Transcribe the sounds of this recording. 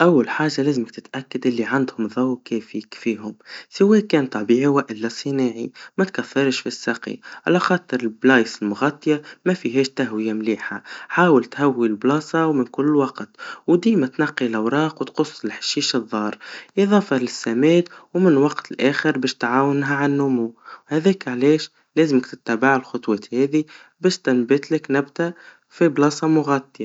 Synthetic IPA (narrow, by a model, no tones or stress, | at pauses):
ʔawːalħaːʒːalæːzɪmɪk̚t̪ɪt̪ʔækːad̪ʔɪlːiʕand̪hʊmðˤɑwkɛːfikfiːhʊmsɪwːɛːkːɛːnt̪ˤɑbiːʕwaʔɪlːasˤɨnaːʕimæt̪kæθːɑɾˤʃfisːɑqḭʕalaxɑːt̪ˤɨɾˤɪlblɑːjsˤɪlmʊɣɑt̪ˤːjamæfiɦɛːʃt̪aɦwɪjamliːħaħaːwəlt̪hawːilblɑːsˤɑwmɪnkʊlːwɑqt̪wd̪iːmat̪nɑqːilʔawɾˤɑːqwt̪qʊsˤːɪlħɪ̥ʃːiːʃɨðˤːɑːɾˤʔiðˤɑːfɑlɪsːamɛːd̪wmɪnwɑqt̪ɪlʔæːxəɾbɛːʃt̪ʕaːwɪnɦaʕanːʊmuhæðɛːkʕlɛːʃ | lɛːzɪməkt̪ɪ̥t̪ːabaʕɪlxʊt̪ˤwɑːt̪hɛːði | bɛːʃt̪ɪnbɪt̪lɪknabd̪a | fiblɑːsˤɑmʊɣat̪ːja